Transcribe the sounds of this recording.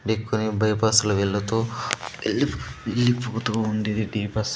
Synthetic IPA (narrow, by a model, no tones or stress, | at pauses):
ɖikʰːunibɐjpɐsɐlɐʋeɭːut̪oːelːielːipːut̪uund̪id̪iɖiːpɐs